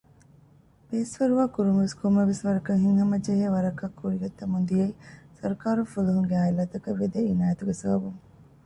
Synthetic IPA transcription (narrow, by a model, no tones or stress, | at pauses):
peːsʋɐɾuʋaːkuɾumɐʋeskʰomːɐʋesʋɐɾɐkɐŋɦiŋɦɐmɐd͡ʒeɦeːʋɐɾɐkːɐkʰːuɾiɡɐt̪ːɐmund̪ijɐisɐɾkaːɾufuluɦuŋɡeaːjlɐt̪ɐkɐʋːed̪einaːjɐt̪uɡesɐbɐbuŋ